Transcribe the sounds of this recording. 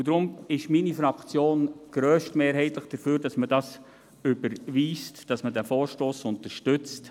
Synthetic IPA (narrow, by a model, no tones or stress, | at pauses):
udɾʊmɪʃminifɾɑkt͡sjoːnɡ̥ɾœːʃtmeːɾɦɛɪtləχd̥əfyːɾd̥ɑsmədɑs | ʏbəɾʋiːstd̥ɑsmədæfoːɾʃtoːsʊnt̪əɾʃtʏt͡st